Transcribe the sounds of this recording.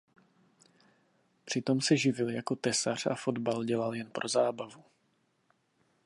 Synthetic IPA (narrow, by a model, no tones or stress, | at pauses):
pr̝̥ɪt̪o̞msɛʒɪvɪljako̞t̪ɛsar̝ʔa̰fo̞d̪balɟɛlaljɛnpɾʔo̞zaːbavu